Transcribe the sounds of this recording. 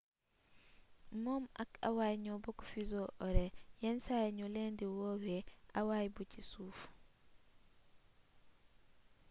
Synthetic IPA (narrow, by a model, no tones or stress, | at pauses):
mɔmʔaka̰wajɲɔbɔkɔ̥fizɔʔɔɾɛjɛnsajɲɔlɛndɛwɔːwɛʔawajbut͡ʃisuːf